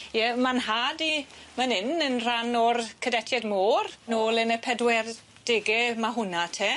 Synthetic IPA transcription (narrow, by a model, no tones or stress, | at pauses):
jɛmanhaːdimanɪnənr̥anɔrkʰədɛtʰjɛdmoːrnoːlˠənəpʰɛdwɛr | d̥ɪɡɛmaɦʊnatʰɛ